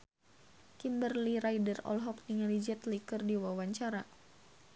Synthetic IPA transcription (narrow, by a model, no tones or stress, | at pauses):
kimbərliɾajdərɔ̰lɦɔk̚niŋlid͡ʒɛt̪likərdiwawaɲt͡ʃaɾa